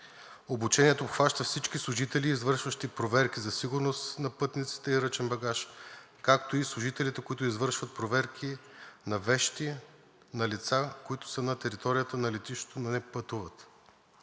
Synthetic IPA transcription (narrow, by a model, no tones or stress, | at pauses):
obut͡ʃɛnʲiɛt̪oːpxvaʃt̪əfsit͡ʃkislˠʊʒit̪ɛliːzvɤɾʃvəʃt̪ipɾovɛɾk̟izɐsiɡʊɾnost̪nɐpɤt̪nit̪si̥t̪əiɾət͡ʃɛnbɐɡaʃ | kakt̪oislˠʊʒit̪ɛlit̪ɛkoit̪ʊizvɤɾʃvɐt̪̚pɾovɛɾkʰinɐvɛʃt̪i | nɐlit̪sakoit̪ʊ̥sənɐt̪ɛɾit̪ɔɾijət̪ənɐlɛt̪iʃo̥t̪ononɛpət̪uvət̪